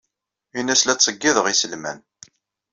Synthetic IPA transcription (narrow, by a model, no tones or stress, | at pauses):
inːæslæt͡sˤːəɡːiðəʁisəlmæ̰n